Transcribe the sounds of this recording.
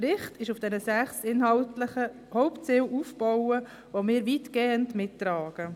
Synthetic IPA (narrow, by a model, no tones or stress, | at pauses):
ɾɪχtɪʃufd̥ɛnəsæχsɪnɦɑltləχə | hɔʊpt͡sɪwʔufb̥ɔwə | ʋomɪːɾʋiːtɡ̥eːəndmɪtːɾɑːɡ̥ə